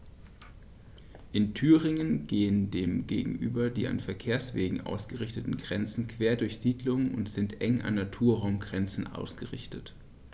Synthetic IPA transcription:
ʔɪntʰyːʁɪŋənɡ̥eːəndeːmɡḛːɡŋ̩ʔy̰ːbɐdḭːa̰nfɛɐkʰeːɐsv̥eːɡŋ̩ʔa̰ʊsɡ̥əʁɪçtətn̩ɡʁɛnt͡sn̩kv̥eːɐdʊɐçz̥iːdlʊŋnʊ̰ntz̥ɪntʔɛŋʔa̰nːatʰuːɐʁaʊmɡʁɛnt͡sn̩ʔa̰ʊsɡ̥əʁɪ̰çtət

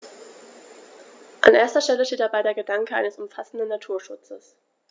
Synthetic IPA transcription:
ʔa̰nʔeːɐstɐʃtɛləʃteːt̚d̥abaɪdeːɐɡədaŋkəʔa̰ɪnəsʊmfasn̩dn̩ːatʰuːɐʃʊt͡səs

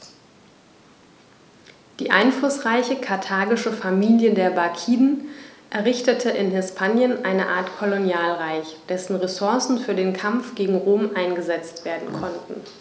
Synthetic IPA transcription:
d̥iːʔa̰ɪnflʊsʁ̥aɪçəkʰaɐtʰaːɡɪʃəfamiːljədeːɐbakʰiːdn̩ʔɛɐʁɪçtətʰəʔɪnhɪspʰaːnjənʔaɪnəʔa̰ːɐtkʰɔlonjaːlʁaɪçd̥ɛsn̩ʁesʊɐsn̩fyːɐdeːnkʰamfɡ̥eːɡŋ̩ʁoːmʔaɪnɡəzɛt͡stv̥eːɐdn̩kʰɔntn̩

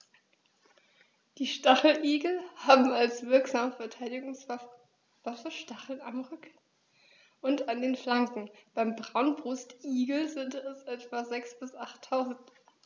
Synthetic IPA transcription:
d̥iːʃtaχl̩ʔiːɡl̩haːbm̩alsv̥ɪɐkz̥aːməfɛɐtʰaɪdɪɡʊŋs | vasɐʃtaχl̩namʁʏk | ʔʊntandeːnflaŋkŋ̩b̥aɪmbʁaʊnbʁʊstʔiːɡl̩zɪntɛsʔɛtv̥azɛksb̥ɪsʔaχtʰːaʊzn̩t

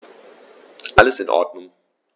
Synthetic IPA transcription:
ʔaləsɪnʔɔ̰ɐdnʊŋ

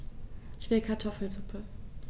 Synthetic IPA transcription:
çv̥ɪlkʰaɐtʰɔfl̩zʊpʰə

